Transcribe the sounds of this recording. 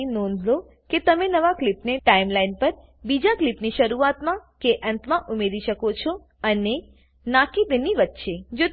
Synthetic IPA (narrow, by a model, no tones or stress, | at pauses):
inõnd̪ʱlo | ket̪əmenəʋaklipneʈaimlainpəɾ | bid͡ʒaklipniʃəɾuat̪mãkeʔənt̪mãʔumeɾiʃəkot͡ʃʰo | əne | nakid̪əniʋət̪ːʃed͡ʒo